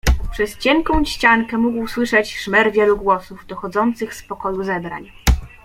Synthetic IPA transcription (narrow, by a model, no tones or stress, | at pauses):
pʂɛst͡ɕɛŋkɔ̃w̃ɕt͡ɕaŋkɛmuɡwswɘʂɛt͡ɕʂmɛɾvʲjɛluɡwɔsuvd̪ɔxɔd̪zɔnt̪sɘxspɔkɔjuzɛbɾa̰ɲ